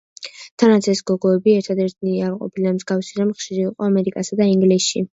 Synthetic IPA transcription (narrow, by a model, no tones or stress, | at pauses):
t̪ʰanat̪sʰɛsɡ̥ɔɡɔɛbiɛɾt̪ʰad̪ɛɾt̪ʰniaɾqʼɔ̰pʰilamzɡafsiɾamχʃiɾiːqʼɔamɛɾikʼasad̪aiŋɡlisʃi